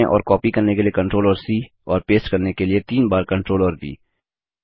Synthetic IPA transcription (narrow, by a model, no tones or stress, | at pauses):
eʔɔ̰ːɾkɔːpikɐɾnekeliekɐ̃ɳʈɾoːlɔːɾsiː | ɔːɾpeːsʈkɐɾnekeliet̪iːnbaːɾkɐ̃ɳʈɾoːləɾbʱḭː